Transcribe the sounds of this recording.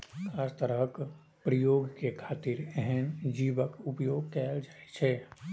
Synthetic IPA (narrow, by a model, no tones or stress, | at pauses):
kʰaːst̪əɾək | pɾəjoːɡkekʰaːt̪iɾɛɦɛnd͡ʒiːʋəkʊpjoːɡ̚kɛːld͡ʒaːet͡ʃʰeː